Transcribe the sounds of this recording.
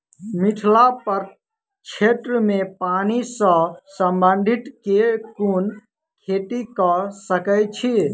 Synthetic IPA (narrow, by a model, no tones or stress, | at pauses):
miʈʰlapəɾ | t͡ʃʰet̪ɾəmepanisə̃səmbənd̪ʱit̪kekun | kʰeʈikəsəkət͡ʃʰi